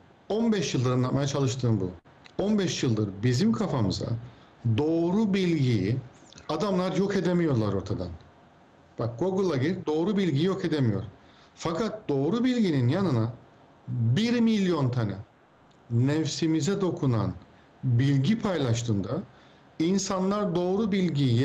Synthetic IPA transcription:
o̞nbɛʃjɯlˠd̪ɯɾanlˠat̪majat͡ʃʰalˠɯʃt̪ʰɯːnbṵ | o̞nbɛʃjɯlˠd̪ɯɾbizimkʰafamɯza̰ | d̪o̞ːɾubilʲɟiji | ad̪amlˠaɾjo̞kʰe̞d̪e̞mijo̞ɾlˠaɾo̞ɾt̪ʰad̪a̰n | b̥ak̚ɡo̞ɡulˠaiɾd̪o̞ːɾubilʲɟijijo̞kʰe̞d̪emijo̞̰ɾ̥ | fakʰat̪̚d̪̥o̞ːɾubilʲɟininjanɯna | biɾmilʲjo̞nt̪ʰana̰ | nɛfsimizɛd̪o̞kʰuna̰n | bilʲɟipʰajlˠaʃt̪ʰɯːnd̪a | insanlˠaɾd̪o̞ːɾubilʲɟijj

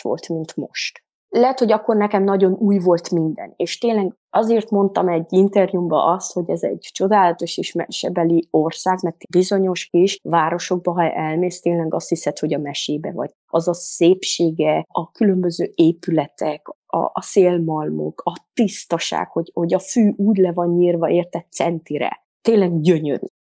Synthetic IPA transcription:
ʋo̞̰lt̪mint̪mo̰ʃt̪ | lɛɦɛt̪ho̞ɟɒkːo̞rnɛkɛmnɒɟo̞nuːjvo̞lt̪mind̪ɛ̰neːʃt̪eːnlɛɡ | ɒzeːrt̪mo̞nt̪ɒmɛɟːint̪ɛrjumbɒ̰ʔɒst̪ho̞ɟɛzɛ̰ɟt͡ʃo̞d̪aːlɒt̪o̞ʃeːʃmɛʃɛbɛliorsaːɡmɛrt̪bizo̞ɲo̞ʃkiʃvaːɾo̞ʃo̞ɡ̚bɒɦɒɛlmeːst̪eːnlɛɡɒst̪hisɛt̪ho̞ɟɒmɛʃeːbɛ̰vɒ̰ɟ̥ | ɒzɒseːpʃeːɡɛɒkylø̞mbø̞zøːeːpylɛt̪ʰɛk | ɒ̰seːlmɒlmo̰kʰɒt̪ist̪ɒʃa̰ːkho̞ɟho̞ɟɒfyːʔuːɟlɛvɒɲɲiːrvɒeːrt̪ɛt̪sɛnt̪iɾɛ̰ | t̪eːnlɛɡɟøɲø̰ɾy̰

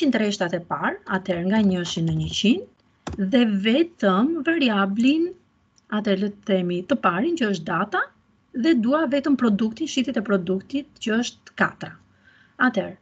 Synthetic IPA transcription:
int̪ɾɛʃt̪at̪ɛpaɾa̰t̪ɛɾŋɡaɲəʃinəɲəcin | ðɛvɛt̪əmvaɾiablin | at̪ɛɾlət̪θɛmit̪əpaɾincəəʃt̪̚d̪at̪a | ðɛd̪uavɛt̪əmpɾɔd̪ukt̪inʃiθit̪ɛpɾɔd̪ukt̪it̪cəəʃt̪̚ka̰t̪ɾa | at̪ɛɾ

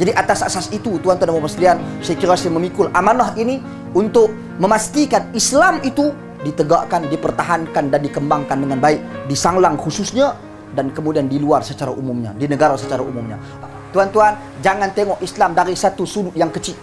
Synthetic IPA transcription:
d͡ʒadiʔat̪asasasit̪ut̪uɦant̪uanəmasliansajakiɾasiməmikʊlʔamanaɦini | unt̪ʊk̚ | məmast̪ikanislamit̪u | dit̪əɡaʔkandipərt̪aɦankandandikəmbaŋkandəŋanbaɪk̚disaŋlaŋhususɲa | dankəmudiandiluarsət͡ʃaɾa̰ʔumumɲa̰dinəɡaɾasət͡ʃaɾaʔumumɲa̰ | t̪uɦant̪uan | d͡ʒaŋant̪eŋɔʔislamdaɾisat̪usunʊʔ̪jaŋkət͡ʃit̪̚

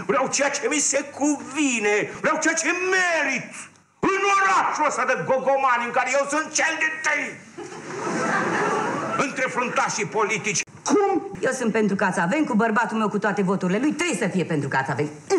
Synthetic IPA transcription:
vɾeawt͡ʃejat͡ʃemisekʰuvinevɾeawt͡ʃejat͡ʃemeɾit̪ | ɨjnuɾat̪əsad̪əɡoɡomaniɨŋkaɾejewsɨnt̪̚t͡ʃeld̪ent̪əj | ɨnt̪ɾe̞fɾont̪aʃipolit̪it͡ʃʲ | kumjewsɨnt̪̚pe̞nt̪ɾukat̪save̞mkubərbat̪ulmewkut̪oat̪e̞vo̞t̪uɾile̞lujt̪ɾebjesəfijepent̪ɾukat̪savem

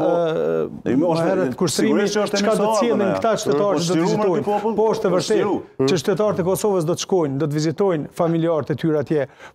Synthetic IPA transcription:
ɛɾɛt̪kuʃt̪ɾimiʃkad̪ɔt̪sjɛlˠinkt̪aʃt̪ɛt̪aɾɛt͡ʃəd̪ɔvizit̪ɔjnpɔɔʃt̪ɛvəɾt̪ɛt͡ʃəʃt̪ɛt̪aɾt̪ɛkɔsɔvəs̬d̪ɔt̪ə̥ʃkɔjnd̪ɔt̪̬vizit̪ɔjnfamiliaɾt̪ɛt̪yɾat̪jɛ

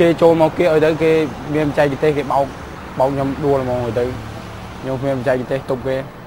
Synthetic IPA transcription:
keːt͡ɕoːlmaːkkeəʔaɔjt̪ɨwkeː | miənpat͡ɕɛk̚pt̪eːhkeːɓaɔk̚ | ɓaɔk̚ɲomɗuələmɔːŋhaːjt̪əw | kʰɲomkʰmiənpat͡ɕaɛk̚p̚t̪eːht̪up̚keː

